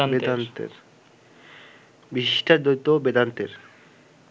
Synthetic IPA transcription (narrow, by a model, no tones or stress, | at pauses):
ed̪ant̪ḛɾ | biʃiʃʈʰaɾd̪ojt̪ːobed̪ant̪eɾ